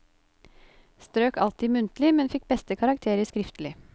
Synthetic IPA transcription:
st̪ɾøːkɑ̰lt̪ɪːmʉnt̪lɪmɛnfɪk̚bɛst̪əkʰɑɾɑkt̪ʰeːɾəskɾɪft̪lɪ

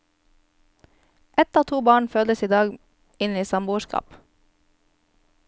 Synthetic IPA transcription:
ʔɛt̪ɑːt̪ʰuːbɑːɳføːləsiːd̪ɑːɡ | ɪniːsɑmbʊːʃkɑ̰ːp

